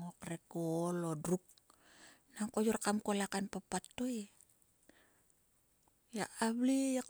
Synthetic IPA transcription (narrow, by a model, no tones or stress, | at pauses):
ŋokrekolodruk̚ | naŋkod͡ʒɔrkamkolakanpapat̪ui | ja̰ʔablijak